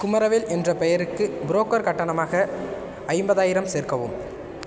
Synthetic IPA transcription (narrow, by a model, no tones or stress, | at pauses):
kʊmɐɾɐʋɪlʔɛndrɐpɛjɐɾɯkːɯbɪɾoːkːɐɾkɐʈːɐɳɐmaːɣɐ | ɐɪmbɐðaːjɪɾɐmseːɾkɐʋɯ̰m